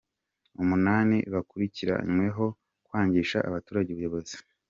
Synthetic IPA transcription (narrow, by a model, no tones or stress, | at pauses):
umunaːnḭβakuɾiciɾa̰ɲmwe̞ɦo̞ | kwaːɲɟiːʃaʔa̰βatuːɾaɟeuβujoβo̞zi̥